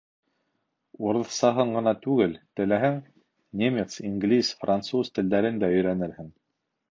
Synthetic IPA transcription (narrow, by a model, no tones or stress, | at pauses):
uɾɤ̆θsɑɦɤɴɢɤ̆nɑt̪ʉɡɘlt̪ɘ̆læɦɘŋ | nʲemʲet̪siŋɡlʲisfrant̪suzt̪ɘ̆ld̪æɾɘnd̪æɵ̆jɾænɘɾhɘŋ